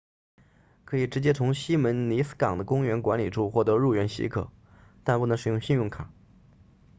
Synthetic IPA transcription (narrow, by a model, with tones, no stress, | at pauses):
kʰɤ˧˥i˨˩ʈ͡ʂɻ̩˧˥t͡ɕjɛ˥t͡sʰʊ˧˥ŋɕi˥mə˧˥nni˧˥sɹ̩̥˥kɑ˨˩ŋd̪ə˦kʊ˥ŋɥɛ˧˥nkwa˧˥nli˨˩ʈ͡ʂʰu˥˧xwɔ˥˩t̪ɤ˧˥ɻu˥˩ɥɛ˧˥nɕḭ˧˥kʰɤ̰˨˩˦ | t̪a˥˧npu˥˩n˧˥ʂɻ̩˨˩jʊ˥˧ŋɕi˥˧njʊ˥˩ŋkʰa˨˩˦